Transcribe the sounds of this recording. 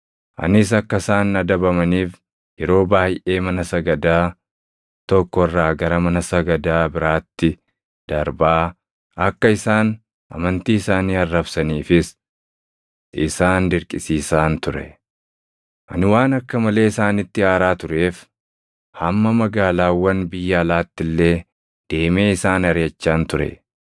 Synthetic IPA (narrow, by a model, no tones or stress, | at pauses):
ʔɐ̰nɪs̬ɐkːɐsaːnɐd̪ɐbɐmɐniːf | jɛɾo̞ːbaːjʔe̞ːmɐnɐsɐɡɐd̪aː | t̪ɔkːɔɪrːaːɡɐɾɐmɐnɐsɐɡɐd̪aːbɪɾaːt̪ːɪ | d̪̥ɐɾbaː | ɐkːɐɪsaːn | ʔɐ̰mɐnt̪iːɪsaːniːɐrːɐbsɐniːfɪs | ɪsaːnd̪ɪɾkʼɪsiːsaːnt̪ʊɾɛ̰ | ʔɐ̰nɪwaːnɐkːɐmɐle̞ːɪsaːnɪt̪ːɪaːɾaːt̪ʊɾe̞ːf | hɐmːɐmɐɡaːlaːwːɐnbɪjːɐːlaːt̪ːɪlːe̞ː | d̪̥e̞ːme̞ːɪsaːnɐɾjɐt͡ʃːaːnt̪ʊɾɛ̰